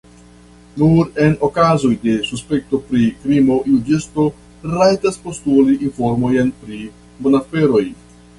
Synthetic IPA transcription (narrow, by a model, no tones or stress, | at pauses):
nuɾe̞nokazo̞jde̞suspe̞k̚to̞pɾikɾimo̞jud͡ʒesto̞ | ɾajtaspo̞stuliʔinfo̞ɾmo̞jnpɾi | bonafe̞ɾo̞j